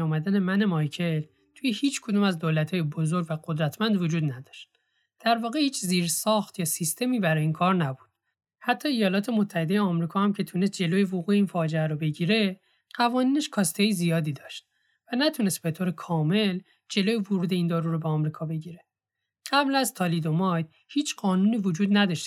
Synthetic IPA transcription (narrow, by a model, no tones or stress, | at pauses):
umæd̪æne̞mænemɒjcʰel | t̪ʰujehiːt͡ʃkʰo̞d̪uːmæzd̪oːlæt̪ʰhɒːjebo̞zoɾɟʲvæɡod̪ɾæt̪ʰmænd̪vod͡ʒuːd̪næd̪̥ɒʃt̪̚ | d̪̥æɾvɒːɣehiːt͡ʃʰziːɾsɒːxt̪jɒːsist̪ʰe̞miːbæɾɒːjinkʰɒːɾnæbud̪̥̚ | hæt̪ʰːɒːejɒːlɒːt̪ʰe̞mot̪ʰːæhe̞d̪e̞jeɒmɾiːkʰɒːhæmcʰe̞t̪ʰunes̬t̪̚d͡ʒe̞lojevoɣuːjeiːnfɒːd͡ʒeæɾobe̞ɟiːɾe̞ | ɢ̥ævɒːniːneʃkʰɒːst̪ʰejizijɒːd̪iːd̪ɒːʃt̪̚ | vænæt̪ʰune̞st̪̚be̞t̪ʰoːɾe̞kʰɒːme̞l | d͡ʒe̞loːjevoɾuːd̪e̞iːnd̪ɒːɾuɾobeːmɾiːkʰɒːbe̞ɟiːɾe̞ | ɢ̥æblæzt̪ʰɒːliːd̪o̞mɒjd | hiːt͡ʃʰɢɒːnuːniːvod͡ʒuːd̪næd̪ɒʃt̪